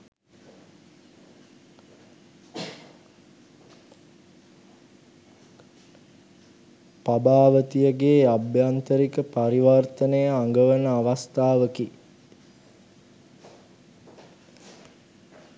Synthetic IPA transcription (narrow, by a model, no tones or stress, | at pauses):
pabaːʋət̪ijəɡeːabjant̪əɾikəpaɾiʋart̪ənəjəaŋɡəʋənəaʋast̪aːʋəki